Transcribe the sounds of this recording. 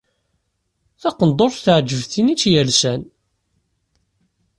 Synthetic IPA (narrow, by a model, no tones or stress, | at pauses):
θɑqənd̪ˤoɾθθəʕd͡ʒːəvθinit͡sːjælsæn